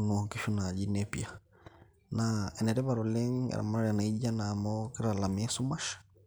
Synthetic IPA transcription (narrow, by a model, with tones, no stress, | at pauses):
nɔkiʃu˦nad͡ʒi˦nɛpja˨ | naɛ˨nɛ˨ɾɛ˦βaɾɔlɛ˦ŋa̰˨ɾa̰˨ma˦ɾa˦ɾa˨na˨id͡ʒa˦naː˨mɔki˦ɾa˨la˨mi˦ɛ˦su˦ma˦ʃḁ